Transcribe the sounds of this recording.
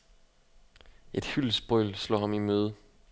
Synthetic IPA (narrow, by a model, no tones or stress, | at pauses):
e̝d̥hylsb̥ʁɔɪlslɒ̰ːhɑ̈mimøːð̞̩ˠ